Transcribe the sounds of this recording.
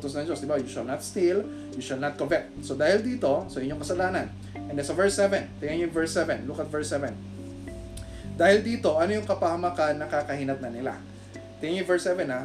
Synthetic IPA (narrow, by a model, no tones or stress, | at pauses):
t̪osnɐŋd͡ʒosd̪ɪbajʊʃɐlnɐt̪st̪il | jʊʃɐlnɐt̪̚kovɛk̚t̪̚sod̪aːhɪld̪iːt̪o̞soʔɪɲoŋkɐsɐlaːnɐn | ʔɛnd̪ɛsɐvɛɹsɛvɛnt̪ɪŋɐɲojʊŋvɛɹsɛvɛnlukɐt̪̚vɛɹsɛvɛn | d̪aːhɪld̪iːt̪o̞ʔɐnojʊŋkɐpɐhɐmakanːɐkakɐhiːnɐt̪̚nɐnɪla̰ | t̪ɪŋɪɲjʊvɛɹsɛvɛna